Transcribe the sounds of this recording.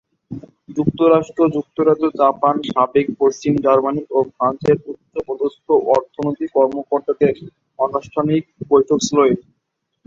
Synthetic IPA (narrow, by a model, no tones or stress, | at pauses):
d͡ʑuk̚t̪oɾaʃʈɾod͡ʑuk̚t̪oɾad͡ʑod͡ʑapanʃabek̚poʃt͡ɕimd͡ʑaɾmaniofɾant͡ɕeɾut̪ːopɔd̪ot̪oʔɔɾt̪ʰonot̪ikɔɾmokoɾt̪ad̪eɾ | ɔnoʃʈʰanik̚bojʈʰokslɔi